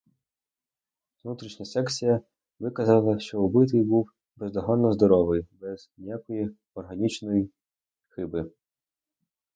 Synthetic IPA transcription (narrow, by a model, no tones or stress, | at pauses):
ʋnut̪ɾʲiʃnʲɐsɛksʲijɐ | ʋɪkɐzalˠɐʃt͡ʃɔubɪt̪̬ɪjbuw | bezd̪ɔɦɔnːɔzd̪ɔɾɔʋɪjbɛz̥nʲijakɔji | ɔrɦɐnʲit͡ʃnɔji | xɪbɪ